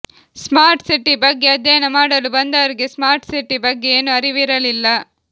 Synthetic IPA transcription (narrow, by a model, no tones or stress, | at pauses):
smaːɾʈsiʈːibɐɡːe̞ɐd̪jɐjɐnɐmaːɽɐlubɐnd̪ɐʋɐɾiɡesmaːɾʈsiʈːibɐɡːe̞eːnuɐɾiʋiɾɐlilːɐ